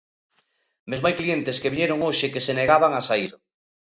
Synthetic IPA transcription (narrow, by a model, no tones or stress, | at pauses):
mezmajklient̪eskeβiɲeɾoŋoʃekeseneɣaβaŋasaiɾ